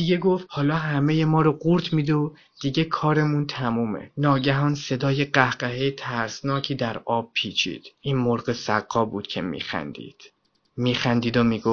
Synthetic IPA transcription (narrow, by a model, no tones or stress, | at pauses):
d̪̥iɟe̞ɡo̞ft̪hɒːlɒːɦæmeje̞mɒːɾoɢuɾt̪ʰmiːd̪o | d̪̥iɟe̞kʰɒːɾe̞munt̪ʰæmuːmḛnɒːɟæɦɒːnse̞d̪ɒːjeɢæhɢæɦejt̪ʰæɾsnɒːcʰiːd̪æɾɒːb̥̚pʰiːt͡ʃʰḭːd̪̥ʔiːnmoɾɢesæ̰ɡːɒːbuːd̪̥cʰe̞̰mḭːxæ̰nd̪ḭːd̪̥ | miːxænd̪iːd̪omiːɡof